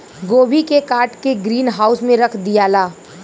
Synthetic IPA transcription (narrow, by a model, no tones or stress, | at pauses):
ɡoːbʱikekaːɾʈkeɡɾiːnɦaːʊsmẽɾɐkʰd̪ijaːlaː